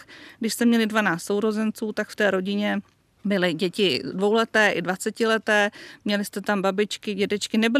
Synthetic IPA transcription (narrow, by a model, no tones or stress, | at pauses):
ɡdɪʃst̪ɛmɲɛlɪdvanaːt͡sst̪so̞wɾo̞zɛnt͡suːt̪akft̪ɛːɾo̞ɟɪɲɛ | bɪlɪɟɛcɪdvo̞wlɛt̪ɛːʔɪdvat͡sɛcɪlɛt̪ɛːmɲɛlɪst̪ɛt̪ambabɪt͡ʃkɪɟɛdɛt͡ʃkɪnɛbɪl